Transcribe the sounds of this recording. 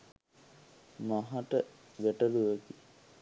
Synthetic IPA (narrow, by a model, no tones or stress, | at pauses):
maɦaʈə | ʋeʈəluʋəki